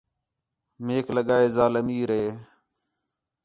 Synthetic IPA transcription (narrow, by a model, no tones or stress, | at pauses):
meːkləɠaːeːzaːləmiːɾeː